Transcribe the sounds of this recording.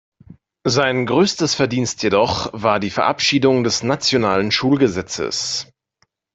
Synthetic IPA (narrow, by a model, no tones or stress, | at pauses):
zaɪnɡʁøːstəsfɛɐdiːnstʰjedɔχvaːɐdiːfɛɐʔa̰pʃiːdʊŋdɛsnat͡sjonaːlənʃuːlɡəzɛt͡sə̰s